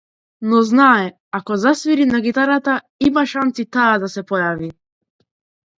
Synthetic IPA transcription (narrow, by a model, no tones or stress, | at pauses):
nɔznaɛ | akɔzasviɾinaɡit̪aɾat̪a | imaʃant̪sit̪aːd̪asɛpɔjavi